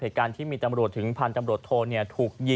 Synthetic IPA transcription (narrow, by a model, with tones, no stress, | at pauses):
eː˨˩kaː˧nt̪ʰiː˥˩miː˧t̪a˧mɾu˨˩ət̪ʰːɯ˩˦ŋpʰaː˧nt̪a˧mɾu˨˩ət̪ʰːoː˧ni˥˩ət̪ʰuː˨˩k̚ji˧